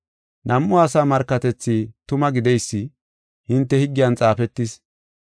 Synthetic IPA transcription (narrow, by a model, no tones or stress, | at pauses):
nʔɐmʔʊaːsaːmɐɾkːɐt̪ɛt͡sːit̪ʊmɐɡɪd̪ɛjsːɪ | hɪnt̪ːɛhɪɡːɪjɐnt͡sʼaːfɛt̪ːɪs